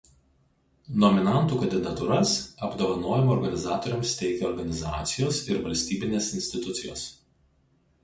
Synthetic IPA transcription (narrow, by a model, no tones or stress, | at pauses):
nɔmʲɪnɑˑnˑt̪uːkɐnʲd̪ʲɪd̪ɐt̪ʊɾɐsɐbd̪oːʋɐnoːjɛmɐɔːɾɡɐnʲɪzɑːt̪ɔːɾʲɛmst̪ʲɛɪkʲeɔɾɡɐnʲɪzɑ̰ːt̪sʲɪjoːsɪɾʋɐlʲsʲt̪ʲiːbʲɪnʲeːsɪnʲsʲt̪ʲɪt̪ʊt̪sʲɪjo̰ːs